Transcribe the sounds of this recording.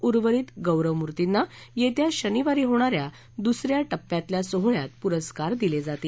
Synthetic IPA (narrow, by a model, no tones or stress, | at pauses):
uɾʋəɾiːt̪ɡəwɾəʋmuɾt̪inːajet̪jaɕəniʋaɾiːɦoɽ̃aɾja | d̪usɾjaʈəpːjãt̪ljasoɦɭjat̪puɾəskaɾd̪iled͡zat̪iː